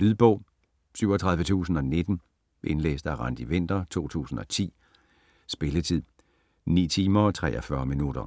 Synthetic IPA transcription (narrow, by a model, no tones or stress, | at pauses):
lyðˠb̥ɔ̽ʊ̰ | syʊɒ̽t͡sʰʁɑ̈ð̞ˠʋət͡sʰṵːsn̩ɒ̽ne̝d̥n̩ | ʔe̝nlḛːsd̥æʁɑn̰d̥iʋen̰d̥ɐt͡sʰo̝̰ːt͡sʰṵːsn̩ɒ̽t͡sʰḭː | sb̥e̝lət͡sʰið̰ˠ | nḭːt͡sʰiːmɐɒ̽t͡sʰʁɛ̰ːʔɒfɶɐminud̥ɐ